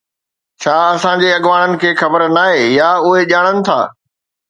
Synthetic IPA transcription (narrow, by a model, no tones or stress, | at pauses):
t͡ɕʰaːɐsãd͡ʑeɐɠʋaːɽ̃ənɪ̆kʰeːxɐbəɾnaːɦeːjaːʊɦeʄaːɽ̃ənɪ̆t̪ʰa̰ː